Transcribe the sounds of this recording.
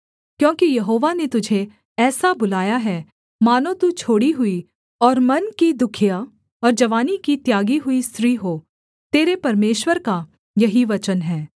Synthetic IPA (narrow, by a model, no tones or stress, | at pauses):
kjõːkijɐɦoːʋanet̪ʊd͡ʒʱe | ɛːsabʊlaːjaɦɛː | maːnõt̪ut͡ʃʰoːɽiɦʊi | ɔːɾmɐnkid̪ʊkʰija | ɔːɾd͡ʒɐʋaːnikit̪jaːɡiɦʊisɾiɦoː | t̪eːɾepɐɾmeːʃwəɾka | jɐɦiʋɐt͡ʃənɦɛː